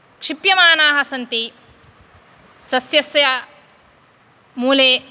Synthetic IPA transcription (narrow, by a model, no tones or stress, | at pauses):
kʂipjɐmaːnaːɦɐsɐnt̪i | sɐsjɐsja | muːleː